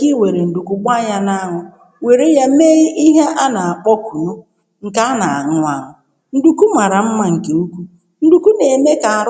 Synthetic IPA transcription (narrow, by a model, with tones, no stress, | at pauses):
ki˦we˨ɾe˨n̩˨du˨ku˨ɡ͡ba˦ɲa˦na˦a˦ŋʊ˦ | we˨ɾe˦ja˦me˦i˦ʔi˦ɦe˦a˦na˨a˨k͡pɔ˦ku˨ɾu˦ | ŋ̩˨ka˦a˦na˨a˨ŋʊ˦a˦˨ŋʊ˨ | n̩˦du˨ku˦ma˨ɾa˨m̩˦ma˦ŋ̩˨ke˨u˦kʷu˦ | n̩˦du˨ku˦ne˨me˦ka˨a˨ɾ